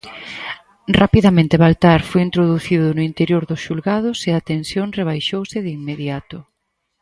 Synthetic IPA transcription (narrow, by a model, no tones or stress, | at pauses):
rapiðamẽnt̪eβalt̪aɾfojint̪ɾoðuθiðʊnʊint̪eɾjoɾðʊsʃulɣað̞ʊseat̪ensjoŋreβajʃowsɪðimːeðjat̪ʊ